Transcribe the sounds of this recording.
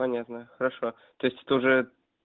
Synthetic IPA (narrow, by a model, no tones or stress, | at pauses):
anʲat̪nəxəɾaʂo | t̪ojɪsʲtʲt̪uʐɛ